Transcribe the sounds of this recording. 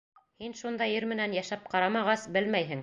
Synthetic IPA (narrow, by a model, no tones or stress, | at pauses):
hinʃund̪ɑjɘɾmɘ̆nænjæʃæp̚qɑɾɑmɑʁɑsbɘlmæjɦɘ̆ŋ